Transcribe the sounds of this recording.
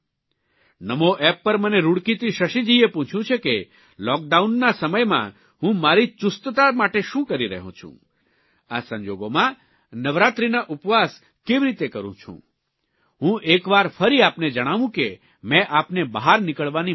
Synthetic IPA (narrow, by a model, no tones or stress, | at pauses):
nəmoʔɛpːəɾməneɾuɽkit̪iʃəʃid͡ʒiepũt͡ʃʰjũt͡ʃʰeke | lɔk̚ɖaunːasəməjmã̰ | ɦũmaɾit͡ʃust̪ət̪amaʈeʃũkəɾiɾə̰ɦṵ̃t͡ʃʰṵ̃ | asə̃ɲd͡ʒoɡomã | nəʋɾat̪ɾinaʔupʋas | keʋiɾit̪ekəɾṵ̃t͡ʃʰṵ̃ | ɦũʔekʋaɾfəɾiapned͡ʒəɽ̃aʋũke | mɛ̃ʔapnebəɦaɾnikəɭʋani